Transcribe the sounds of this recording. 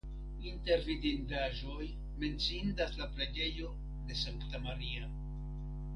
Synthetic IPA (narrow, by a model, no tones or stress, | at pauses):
inte̞ɾvidindaʒo̞j | me̞nt͡sindaslapleɡe̞jo̞ | de̞saŋktamaɾia